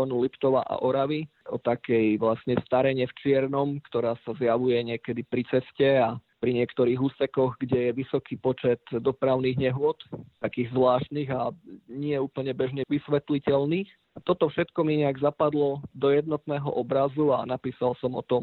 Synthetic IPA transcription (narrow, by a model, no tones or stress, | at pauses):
ɔnulipt̪ɔʋa̰ʔa̰ʔɔɾaʋi | ɔt̪akɛjʋlasɲɛst̪aɾɛɲɛft͡ʃɪɛɾnɔmkt̪ɔɾaːsazjaʋujɛɲɪɛkɛd̪ipɾit͡sɛscɛapɾiɲɪɛkt̪ɔɾiːɣuːsɛkɔɣɡɟɛjɛʋisɔkiːpɔt͡ʃɛt̪d̪ɔpɾaʊniːɣɲɛɦʊɔt̪t̪akiːɣzʋlaːʃt̪niːɣaɲɪɛuːpl̩ɲɛbɛʒɲɛʋisʋɛt̪licɛlniːx | at̪ɔt̪ɔfʃɛt̪kɔmiɲɛaɡzapad̪lɔd̪ɔjɛd̪nɔt̪nɛːɦɔ̰ʔɔbɾazua̰napiːsalsɔmɔ̰t̪ɔm